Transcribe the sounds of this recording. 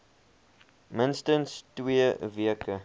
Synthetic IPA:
mɪnstənstwiːviəkə

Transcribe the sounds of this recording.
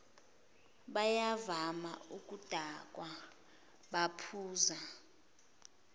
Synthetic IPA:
ɓajavama̰uk̬ʼud̥ʱak̬ʼwa | ɓapʰuːza

